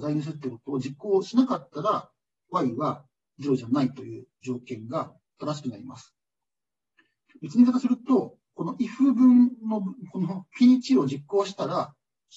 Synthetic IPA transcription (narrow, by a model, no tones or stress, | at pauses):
zainɯs̬ɨɾɯt̪ːekot̪o̞ːd͡ʑikːo̞ːɕinakat̪ːaɾa | βaiβa | d͡ʑɨɾo̞ʑanait̪o̞jɯ̟ːd͡ʑo̞ːkẽ̞ŋɡa | t̪oɾaɕ̬i̥kɯ̟naɾʲima̰sɨ̥ | bet͡sɨɲʲik̪ak̪asɨɾɯ̟t̪o̞ | ko̞noʔiɸɯ̟bɯ̟̃nno̞konokʲiɲ̟it͡ɕio̞d͡ʑikːo̞ːɕi̥t̪aɾa